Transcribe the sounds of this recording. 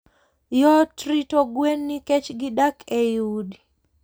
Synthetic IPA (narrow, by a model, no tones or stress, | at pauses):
jɔtɾitoɡwenːikɛt͡ʃɡidakʰeudi